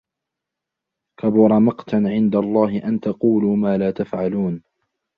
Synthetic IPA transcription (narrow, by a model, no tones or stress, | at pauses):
kabʊɾˤɑmɑqt̪aʕɪnd̪alˤːɑːɦɪʔant̪ɑquːluːmaːlaːt̪afʕaluːn